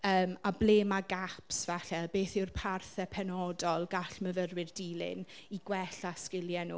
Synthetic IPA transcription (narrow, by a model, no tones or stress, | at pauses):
əːmableːmaɡapsvaɬɛbeːθɪrpʰarθɛpʰɛnɔdɔlˠɡaɬməvərwɪrdiːlˠɪ̰niɡwɛɬaskɪljɛnṵː